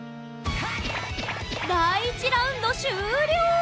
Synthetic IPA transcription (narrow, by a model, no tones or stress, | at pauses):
nait͡ɕiɾaɯnːoɕɯɾjo